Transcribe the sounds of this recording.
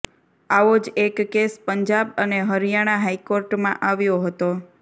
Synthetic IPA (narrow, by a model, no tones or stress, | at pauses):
aʋod͡ʒekːespəɲd͡ʒabəneɦəɾijaɽ̃aɦajkoɾʈmã̰ʔaʋjoɦət̪o